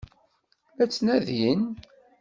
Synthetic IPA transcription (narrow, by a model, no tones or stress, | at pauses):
æt͡sːnæðjin